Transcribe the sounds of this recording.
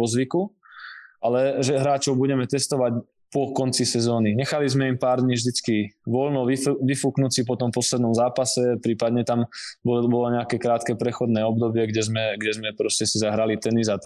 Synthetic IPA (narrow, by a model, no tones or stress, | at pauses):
ɔzʋiku | ʔalɛʒɛɦɾaːt͡ʃɔʊbuɟɛmɛt̪ɛst̪ɔʋac | pɔkɔnt͡sisɛzɔːniɲɛxalizmɛimpaːɾd̪ɲiːvʒd̪it͡skiʋɔlnɔʋiʋifuknut͡sipɔt̪ɔmpɔslɛd̪nɔmzaːpasɛpɾiːpad̪ɲɛt̪ambɔbɔlɔɲɛakɛːkɾaːt̪kɛpɾɛxɔd̪nɛːɔbd̪ɔbɪɛɡɟɛzmɛɡɟɛzmɛpɾɔscɛsizaɦɾalit̪ɛniza